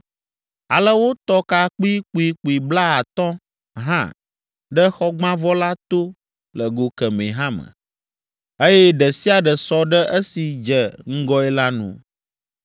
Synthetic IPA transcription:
a˨lə˦wo˦t̪ɔ˦ka˨k͡pi˦k͡pu˨i˨k͡pu˨i˨bla˦a˨t̪ɔ̃˦ | ɦã̰˦ | ɖə˦xɔ˦ɡ͡bã˦vɔ˦la˦t̪o˦ | lə˨ɡo˨kɛ˨mḛ̃˨ɦã˦mə̰̃˨ | e˦jɛ˦ɖɛ˨si˦a˨ɖə˨sɔ˦ɖə˦ʔə˦si˨d͡ʒɛ˨ŋ̩˦ɡɔ˦ɛ˦la˦nṵ̃˨

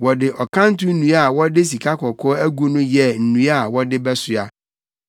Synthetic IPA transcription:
wɔ˨dɪ˨ʔɔ˨kʰã˦n˦tʊ˦n̩˦nũ˦a˨wɔ˦dɪ˦s̬i˨kʰa˦kʰɔ˨kʰɔː˦æ˦ɡu˦nʊ̃˦jɛ˨n̩˨nũ˦a˦˨wɔ˦dɪ˦bɛ˦sʊ˨a˨

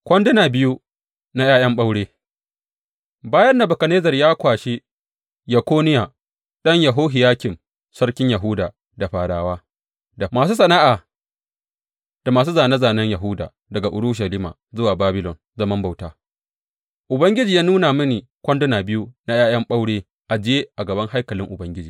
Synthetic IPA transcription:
kʷɐ˦ndʊ˦naː˨bɪ˦ju˦ | na˦jaː˦jɐ˦mɓa˦wɽeː˦ | baː˦jɐ˦nda˨bʊ˨kɐ˨neː˦zɐ˨rjaː˦kʷaː˨ʃi˦ | jɐ˨kʷoː˦nɪ˦ja˨ | ɗɐ˦ɲjɐ˨ɦoː˦ɦɪ˨jaː˦kʲɪ˨m | sɐ˦ɽkʲɪ˦ɲjɐ˨ɦʊ˦daː˨ | da˨ɸaː˨ɽaː˨waː˦ | da˨maː˨s̬uː˦s̬ɐ˨naː˦ʔaː˨ | d̥a˨maː˨s̬uː˦zaː˨nɐ˦zaː˨nɐ˦ɲjɐ˨ɦʊ˦da̰ː˨ | dɐ˨ɡa˨ʔʊ̰˨ɽʊ˦ʃ̬ɐ˨liː˦ma̰ː˨zʊ˦waː˨baː˦bɪ˦lɔ˨n | zɐ˦mɐ˦mba˨wtaː˦ | ʔʊ˨bɐ˦ŋɡʲɪ˦d͡ʒiː˨jaː˦nuː˦na˨mɪ˦niː˨ | kʷɐ˦ndʊ˦naː˨bɪ˦ju˦na˦jaː˦jɐ˦mɓa˦wɽeː˦ | ʔa˨d͡ʒɪ˦je˦ʔa˨ɡɐ˨bɐ˦ŋɦa˦jkɐ˨lɪ˦ŋʔʊ˨bɐ˦ŋɡʲɪ˦d͡ʒiː˨

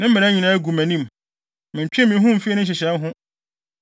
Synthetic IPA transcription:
nɪ̃˦m̩˦mɪ̃˨ɾã˦ɲĩ˨nã˦æ˦ɡu˨mæ̃˨nĩ˦m | mɪ̃˨m̩˨t͡ɕᶣɛ̃˦mɪ̃˨˦ɦʊ̃˦m̩˨fi˦ɛ˦nʊ̃˦ɕ̬ɛ˨ɕɛ˨˦mɦʊ̃˦

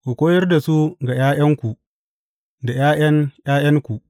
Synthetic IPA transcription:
kʷu˨kʷoː˦jɐ˦rda˨su˦ɡa˨jaː˦jɐ˦ŋkʷu˨ | da˨jaː˦jɐ˦njaː˦jɐ˦ŋkʷu˨ʔ

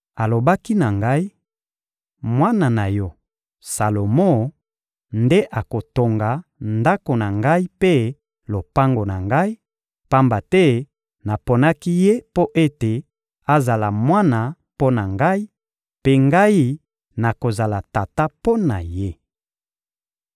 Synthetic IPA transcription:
a˨lo˨ba˦ki˦na˨ŋɡa˦i˦ | mwa˦na˨na˨jɔ˦ | sa˨lo˨mo˦ | nde˦ʔa˨ko˨to˨ŋɡa˨nda˦ko˨na˨ŋɡa˦i˦pe˦ | lo˨pa˦ŋɡo˨na˨ŋɡa˦i˦ | pa˦mba˨tɛ˦ | na˨po˨na˦ki˦je˦po˦ʔe˦te˨ | a˦za˨la˨mwa˦na˨ | po˦na˨ŋɡa˦i˦ | pe˦ŋɡa˦ji˦ | na˨ko˨za˨la˨ta˨ta˦po˦na˨je˦

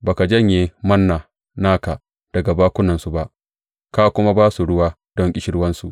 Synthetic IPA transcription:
baː˨ka˨d͡ʒɐ˦ɲjeː˨mɐ˦nːaː˨ | naː˦ka˨ | d̥ɐ˨ɡa˨baː˦kʷʊ˦nɐ˨nsu˨ba˦ʔ | ka˦˨kʷʊ˦ma˦baː˦su˨ɽʊ˦waː˦ | d̥ɔ˦ŋkʲʼɪ˦ʃɪ˦ɽwɐ˦nsu˨ʔ

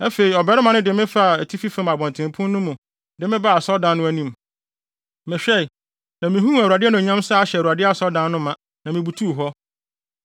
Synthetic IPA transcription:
æ˦fe˨i˨ɔ˨bɛ˦ɾɪ˦mã˨nɪ̃˦dɪ˨˦mɪ̃˦fa˦˨æ˨tʰi˦fi˦fɪ̃˦ma˨bɔ̃˨ntʰɪ̃˨m˨pʰʊ̃˦nnʊ̃˦mũ˨ | dɪ˨mɪ̃˦ba˦a˨sɔ˦dã˦nːʊ̃˦æ˨nĩ˨m | mɪ̃˨ɕᶣɛ˦˨i˨ | nã˨mĩ˨ɦũ˦æ˨wu˨a˨dɪ˦ɛ˦nʊ̃˨ɲã˦msa˦a˨ɕɛ˨ɾu˨a˨dɪ˦a˦˨sɔ˦dã˦n˦nʊ̃˦mã˨ | nã˨mĩ˨bu˨tʰu˦˨ɦɔ˦

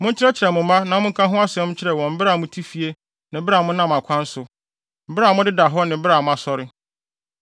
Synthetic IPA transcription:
mʊ̃˦ɲ̩ʰ˦ɪɾɛ˦t͡ɕʰɪ˨ɾɛ˨mʊ̃˨mã˦nã˨mʊ̃˦ŋ̩˦kʰã˦ɦʊ̃˦a˦sɛ̃˦m˦t͡ɕʰɪ˦ɾɛ˨wɔ̃˨m̩˦bɪ˦ɾa˨mʊ̃˦tʰi˦fi˨e˦ | nɪ̃˨˦bɪ˦a˨mʊ̃˦nã˦˨m˨a˨kʷʰã˦n̩˦sʊ˨ | m̩˨˦bɪ˦ɾa˨mʊ̃˦dɪ˦da˨ɦɔ˦nɪ̃˨˦bɪ˦ɾa˨mʊ̃˦a˨sɔ˨ɾɪ˦

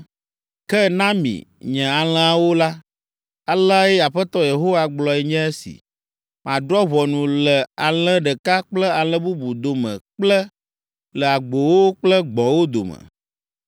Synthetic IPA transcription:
kɛ˦nã˦mḭ̃˨ɲɛ̃˨a˨l̃ɛ̃˦a˦˨wo˦la˦ | a˨lə˦a˦jɛ˦a˨ɸɛ˦t̪ɔ˦je˨ɦo˦wa˨ɡ͡blɔ˨ɛ˨ɲɛ̃˦e˦sḭ˨ | mʔã˨d̪ɾɔ˦βɔ˨nũ˨lɛ˨a˨lɛ̃˦ɖɛ˨ka˦k͡plə˦a˨lə̃˦bu˦bu˨d̪o˨mɛ̰̃˨k͡plə˦ | lə˨a˨ɡ͡bo˨wo˦k͡plə˦ɡ͡bɔ̃˨wo˦d̪o̰˨mɛ̰̃˨

